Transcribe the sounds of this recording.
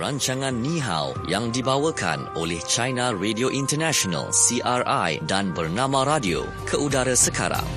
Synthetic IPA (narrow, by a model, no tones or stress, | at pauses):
raɲt͡ʃaŋãnːĩɦa̰w | jaŋdibawəkʰa̰no̰lɛht͡ʃajnãredioʔint̪ərnaʃona̰lsiʔarajdanbərnãmãɾadio̰ | kʰəʔudaɾasəka̰ɾa̰ŋ